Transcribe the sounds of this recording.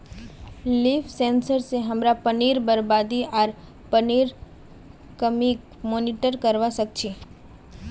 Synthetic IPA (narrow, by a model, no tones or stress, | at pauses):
liːfʰsẽːnsəɾseɦəmɾapəniːɾbəɾbaːd̪iaːɾ | pəniːɾ | kəmi | moːniʈəɾkəɾʋasək̚t͡ʃʰi